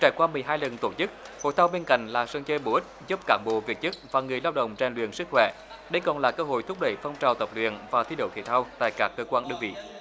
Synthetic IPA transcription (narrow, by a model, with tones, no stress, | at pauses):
t͡ɕaː˧˩jkwaː˧mɨ˨˩əjɦaː˧jlə˨˩nt̪o˧˩t͡ɕɨ˦˥k̚ho̰˧˨jt̪ʰaː˧wɓe˧nka̰˧˨jŋ̟laː˨˩sə˧ŋt͡ɕəː˧ɓo˧˩ʔï˦˥k̟̚zə˦˥p̚kaː˧˩mɓo̰˧˨vi˨˩k̚t͡ɕɨ˦˥k̚vaː˨˩ŋɨ˨˩əjlaː˧wɗə̰˧˨wŋ͡mt͡ɕa˧˩ŋlwḭ˧˨ənsɨ˦˥k̚xwɛ̰˧˩˨ | ɗə˧jkɔ˨˩nlaː˨˩kəː˧ɦo̰˧˨jt̪ʰʊ˦˥k͡p̚ɗə˧˩jfa˧wŋ͡mt͡ɕaː˨˩wt̪ə˨˩p̚lwḭ˧˨ənvaː˨˩t̪ʰi˧ɗo̰˧˨˩k̪ʰḭ˧˩t̪ʰa˧wt̪a̰ː˧˨jkaː˦˥kːəː˧kwaː˧nɗɨ˧əŋvḭ˧˨